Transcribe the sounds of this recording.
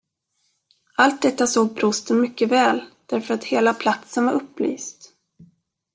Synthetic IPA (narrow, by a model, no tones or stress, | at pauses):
ʔalt̪̚d̪ɛt̪ːasoːɡ̚bʰɾʊst̪ənmʏkːəvɛːld̪̥æɾfœɾat̪heːlapʰlat̪sənvaɾɵpːly̰ːst̪